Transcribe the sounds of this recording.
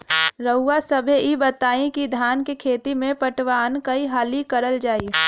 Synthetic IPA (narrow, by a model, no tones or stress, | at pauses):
ɾəʊːasɐbʱeʔibɐt̪aːĩkid̪ʱjaːnkekʰeːt̪imẽpɐʈʋaːnkɐiɦaːlikəɾəld͡ʒaːiː